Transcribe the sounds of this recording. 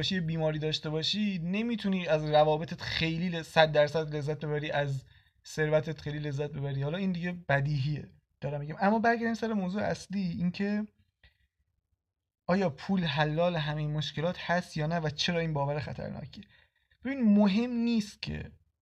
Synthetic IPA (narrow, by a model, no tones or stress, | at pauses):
ʃiebiːmɒːɾiːd̪ɒːʃt̪e̞βɒːʃiːne̞miːt̪ʰuniːæzrævɒːbe̞t̪ʰet̪xe̞jliːesæd̪̚ːæɾsæd̪le̞zːæt̪̚be̞βæɾiːʔæz | se̞ɾvæt̪ʰet̪χejliːle̞zːæt̪̚be̞βæɾiːhɒːlɒːiːnd̪iɟe̞b̥æd̪iːɦiḛ | d̪̥ɒːɾæmːiɟæmæmːɒːbæɾɟæɾd̪imsæɾemoːzuːḛæsliːincʰe̞ | ʔɒːjɒːpʰuːlɦælːɒːleɦæmejenmoʃce̞lɒːt̪ʰhæst̪jɒːnævæt͡ʃʰe̞ɾɒːiːnbɒːvæɾexæ̰t̪ʰæ̰ɾnɒ̰ːcʰe | b̥e̞biːnmoɦe̞mniːst̪̚cʰe̞̰